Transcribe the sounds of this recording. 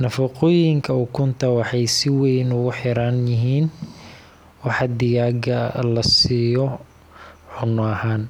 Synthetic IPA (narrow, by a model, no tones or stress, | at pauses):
nɐfɐqɔːjɪŋkʰɐukʰʊnt̪ʰɐwɑħɑjsɪwɛjnʊɣʊħɪɾanjɪɦiːn | wɑħɑd̪ɪjaːɡɐlɐsiːjɔ | ħʊnːɔɐhaːn